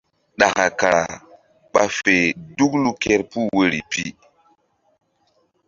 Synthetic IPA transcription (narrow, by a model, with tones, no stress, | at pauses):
ɗa˨ka˨ka˨ɾa̰˨ | ɓa˨fe˨du˦klu˦ke˦ɾpu˦we˦ɾi˨pi˦